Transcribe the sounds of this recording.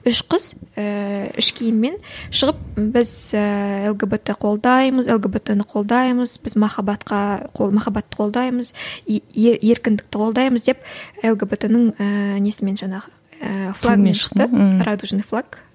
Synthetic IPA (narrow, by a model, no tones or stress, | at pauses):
ʏʃqəz̥əʏ̰ʃkʲʰijɪmːe̞nʃəʁəp̚bɪzəelˠɡebet̪ɪqʰo̞lˠd̪ɑjməzelˠɡebet̪enɪqʰo̞lˠd̪ɑjməzbɪzmɑχɑbɑt̪qɑqʰomɑχɑbɑt̪ːə̥qʰo̞lˠd̪ɑjməz̥ | e̞ɾkʲɪnd̪ɪkt̪ɪqʰo̞lˠd̪ɑjməzd̪e̞pelˠɡebet̪enəɴəne̞sɪme̞nʒɑɴɑʁə | flˠaɡmenʃə̥qt̪əɾad̪uʒnflˠaɡ